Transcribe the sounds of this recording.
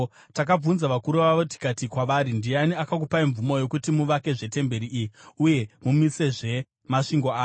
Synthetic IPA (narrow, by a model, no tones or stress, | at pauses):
tak̬ab͡vunzaʋakuɾuʋaʋoti̥katikwaʋaɾindianiakak̬upaiɱvumo̞jo̞kutimuʋake̞ʐe̞te̞mbe̞ɾiʔːuje̞mumise̞ʐe̞ | maʂiŋɡo̞aː